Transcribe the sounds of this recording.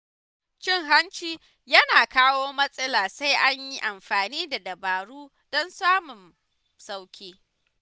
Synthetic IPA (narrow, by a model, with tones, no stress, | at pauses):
t͡ʃɪ˦ŋɦa˦nt͡ʃiː˦ | jɐ˦naː˨kaː˦woː˦mɐ˦sʼɐ˦laː˨sa˦jʔa˦ɲji˦ʔa˨mɸaː˨niː˦da˨dɐ˨baː˨ɽuː˦ | dɔ˦nsaː˦mʊ˨n | sa˦wkʲeː˦